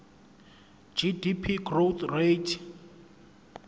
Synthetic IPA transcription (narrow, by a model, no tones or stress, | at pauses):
d͡ʒidipʰiɡrot̪ʰretʰ